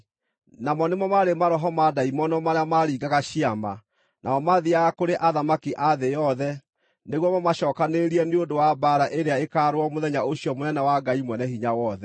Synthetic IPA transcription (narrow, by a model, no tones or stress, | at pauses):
namɔnemɔmaɾemaɾɔɦɔmadaimɔnɔmaɾeamaɾiːɡaɣaɕiama̰ | nʔa̰ɔmaðiaɣakoɾeʔaðamakiʔaðejɔðɛ | neɣwɔmamaɕɔːkaneɾiɛneondowabaɾaʔeɾeaekaːɾwɔmoðɛɲaoɕiɔmonɛnawaɡaimwɛnɛhiɲawɔðɛ